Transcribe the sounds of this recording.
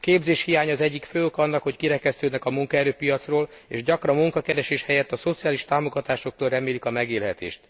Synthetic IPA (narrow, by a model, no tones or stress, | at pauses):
keːbzeːʃhijaːɲɒːzɛɟːikføːokɒnːɒkho̞ckiɾɛkɛst̪øːd̪nɛkɒmuŋkɒɛɾøːpijɒt̪sroːlḛːʒɟɒkrɒmːuŋkɒkɛɾɛʃeːʃhɛjɛt̪ːɒso̞t̪sijaːliʃt̪aːmo̞ɡɒt̪aːʃo̞k̚t̪oːlrɛmeːlikɒmɛɡeːlɦɛt̪ḛːʃt̪